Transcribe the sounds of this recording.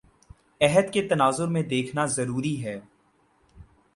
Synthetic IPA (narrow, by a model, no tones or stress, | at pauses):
ɛɦəd̪ket̪ɐnaːzʊɾmẽd̪eːkʰnazɐɾuːɾiɦɛː